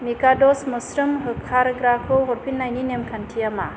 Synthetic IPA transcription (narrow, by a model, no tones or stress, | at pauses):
mikadɔsmɯsɾɯmɦɯkʰːaɾɡɾakʰɯwɦɔɾpʰinːajninemkʰantʰijama̰